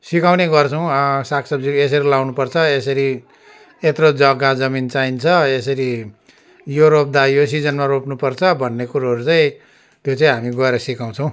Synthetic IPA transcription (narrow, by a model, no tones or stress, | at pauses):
sikaw̃neɡʌrt͡sʰʌw̃sakʰsʌb̚d͡zies̬ʌɾilawnupʌrt͡sʰʌesʌɾi | et̪rod͡zʌɡad͡zʌmint͡saint͡sʰʌesʌɾi | juɾop̚d̪ajos̬id͡zʌnmaropnupʌrt͡sʰʌbʱʌnːekuɾaɦʌɾut͡saĩ | t̪jot͡saĩɦamiɡʌeɾʌsikaw̃t͡sʰʌ̃w̃